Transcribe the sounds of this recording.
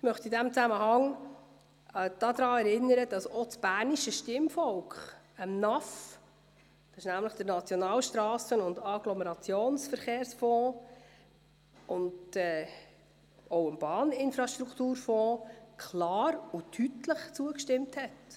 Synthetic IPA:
ɪmœχt̪idæmt͡sæməɦɑŋ | d̥ɑd̥̪ɾɑːɛɾɪnːəɾəd̥ɑsɔt͡sb̥æːɾniʃəʃtɪmfɔlkχ | əmnɑf | d̪̥ɑsɪʃnæmləχd̪̥əɾnɑt͡sjonɑːlʃtɾɑːsənʊndɑɡ̥lɔmɛɾɑt͡sjoːnsfəɾχeːɾsfɔ̃ː | ʊndɛː | owəmb̥ɑːnɪnfɾɑʃtɾukʰt̪uːɾfɔ̃ːkʰlɑːɾutʰytləχt͡suəkʃtɪmthɛt

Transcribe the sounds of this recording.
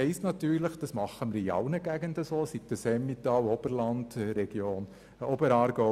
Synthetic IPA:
ɛɪstnɑt̪yːɾləχd̥ɑsmɑχəməɾiɑ̰ʊnəɡæɡ̥əndəsoːsit̪ːəsɛmːit̪ɑːwɔb̥əɾlɑnd̥̪ɾɛɡ̥joːn | ɔbəɾɑːɾɡɔ

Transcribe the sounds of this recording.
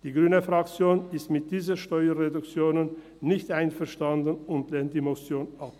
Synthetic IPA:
d̥iːɡʁyːnəfʁ̥akt͡sjoːnɪstmɪt̚d̥iːzəʃtɔʏɐʁedʊkt͡sjoːnənː | ɪçtʔaɪnfɛɐʃtandənʊntlɛːnt̚d̥iːmosjoːnʔap̚

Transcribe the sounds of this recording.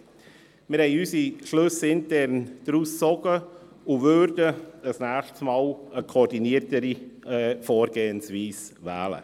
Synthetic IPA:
mɪɾhɛɪysiʃlɵsɪntɛɾnd̥ɾuːst͡sɔɡ̥ə | uvøɾdəəsnæːʃtsmaːləkʰoːɾdiniətəɾifoːɾɡeːənsviːsʋɛ̰ːlə̰

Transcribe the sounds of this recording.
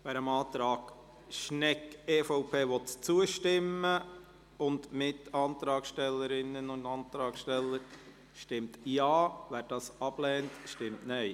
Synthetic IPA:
ʋɛːɾəmɑːt̪ɾɑːɡ̥ | ʃnɛkɛːfɔʊpʰeːʋɔt̪t͡suəʃtɪmə | ʊndmɪtɑːnt̪ɾɑːkʃtɛlːəɾɪnːənʊndɑːnt̪ɾɑːkʃtɛlːəɾ | ʃtɪmtjɑːʋæːɾd̥ɑːsɑb̥lɛːntʃtɪmtnɛɪ

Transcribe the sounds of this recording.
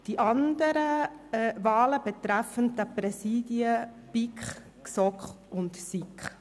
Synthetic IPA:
d̥iʔɑndəɾə | vɑːləbɛt̪ɾæfəndəprɛsiːdiə | pikχ | sɔkχ | ʊntsikχ

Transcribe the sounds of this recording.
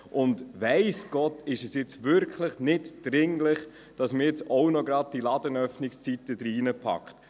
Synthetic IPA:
ʔʊndʋæɪsɡ̥ɔtɪʃɛsjɪt͡sʋʏɾkʰləχnɪtd̥ɾɪŋlɪχ | d̥ɑsməjɛt͡soʊnɔɡɾɑd̚d̥ilɑdənœfnɪkst͡sit̪əd̪ɾiːnəpʰɑ̰kχt

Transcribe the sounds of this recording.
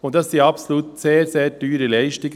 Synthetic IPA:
ʊntdɑssiːɑpsoluːtseːɾseːɾd̥yːɾəlɛɪʃtɪɡ

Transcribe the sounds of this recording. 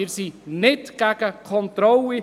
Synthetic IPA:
isinɪtɡ̥æɡ̥əkʰɔnt̪ɾɔli

